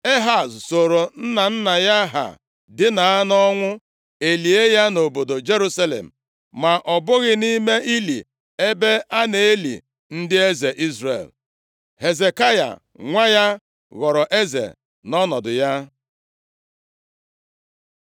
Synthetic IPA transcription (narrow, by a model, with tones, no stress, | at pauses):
e˦ɦa˨sso˨ɾo˨n̩˦na˨n̩˦na˨ja˦ɦa̰˨ | dɪ˦na˨a˦nɔ˦ŋʷʊ˦ | e˨li˨e˦ja˦no˨bo˨do˨d͡ʒe˦ɾu˦sa˦lḛ˨m̩˨ | ma˨ʔɔ˨bʊ˦ɣɪ˦ni˦me˦i˦lḭ˨ | e˦be˦a˦ne˨e˦lḭ˨ | n̩˦dɪ˦e˦ze˨ʔi˦zɾḛ˨l | he˨ze˨ka˦ja̰˨ | ŋʷa˦ja˦ | ɣɔ˨ɾɔ˨ʔe˦zḛ˨ | nɔ˦nɔ˨dʊ˨ja˦